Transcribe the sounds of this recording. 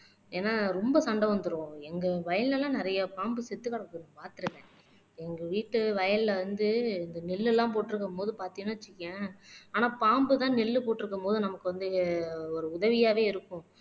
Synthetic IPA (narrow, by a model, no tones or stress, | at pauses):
eːnːaːɾɔmbɐsɐɳɖɐʋɐnd̪ɯɾõɛŋɡɐʋɐjɐnlɛlãːnɪɾɐjɐpaːmbɯsɛt̪ːɯkːɐɽɐkːɯnpaːɾt̪ɯɾɯŋɡɛ̃ | ɛŋɡɐʋiːʈːɯʋɐjɐnlɐʋɐnd̪ɯɪnd̪ɐnɪlːɛlːãːpoːʈːɪɾɯk̬ːɐmpoːðɯpaːɾt̪ɪŋnaːɐt͡ʃːɪkːɛ̃aːnaːpaːmbɯt̪ãːnɪlːɯpoːʈːɪɾɯkːɐmpoːðɯnɐmɐkːɯʋɐnd̪ɯɔɾɯʊðɐʋɪjaːʋeːɪɾɯkːʊ̃